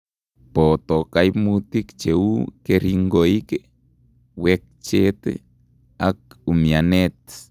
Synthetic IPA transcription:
pot̪okajmut̪ikt͡ʃeukeɾiŋɡoike | wek̚t͡ʃet̪ḛ | ak̚umjanet̪

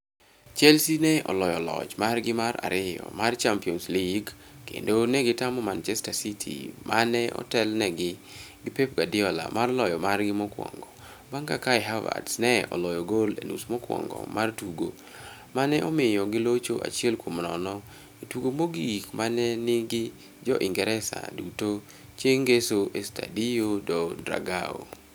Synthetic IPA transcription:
t͡ʃɛlsinɛɔ̰lɔjɔlɔ̰t͡ʃmarɡɪmaɾa̰ɾɪjɔ̰mart͡ʃampiɔnsliɡ | kḛndonɛɡɪtamɔmant͡ʃɛstasitʰḭmanɛʔɔ̰tɛlnɛɡɪɡɪpep̚ɡadɪɔla̰marlɔjɔmarɡɪmɔkwɔ̰ŋɡɔ | baŋɡakaɛɦava̰dsnɛɔ̰lɔjɔɡolenṵsmɔkwɔ̰ŋɡɔ̰martuɡo | manɛʔɔmɪjɔɡɪlot͡ʃoʔa̰t͡ʃiɛlkwomnɔnɔ | etuɡomoɡiikmanɛnɪɡɪ | d͡ʒɔ̰ʔiŋɡɛɾɛsa̰duto | t͡ʃeŋɡesoʔesta̰dijodɔdɾa̰ɡao̰

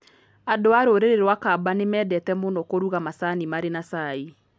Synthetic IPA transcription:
adoaɾoɾeɾeɾwakabanemɛːdɛtɛmonɔkoɾuɣamasanimaɾenasai

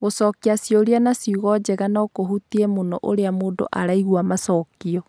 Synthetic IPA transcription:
ɣosɔkiasjoɾianasiuɣɔd͡ʑeɣanakohutiemonɔ̰ʔoɾeamoːndo̰ʔaɾaiɣwamasɔːkiɔ

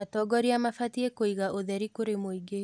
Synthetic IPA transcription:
atɔɡɔɾiamafatiekoiɣaʔoðɛɾikoɾemoiɡe

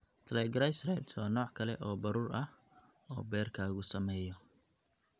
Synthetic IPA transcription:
t̪ʰɐlɛːɡɐɾasrɛd̪wɑːnɔːʕkʰɐlɛ̰ʔɔːbɐɾuːrɐh | ɔ̰ːbɛːrkʰaːɣʊsɐmɛːjɔ

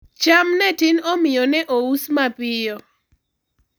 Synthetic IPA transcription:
t͡ʃamnɛtɪnɔmɪjɔnɛʔousmapɪjɔ

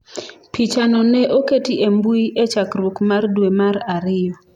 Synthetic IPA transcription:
pit͡ʃanɔnɛʔoketiʔembuiʔet͡ʃakɾwukmardwemaɾaɾɪjɔ

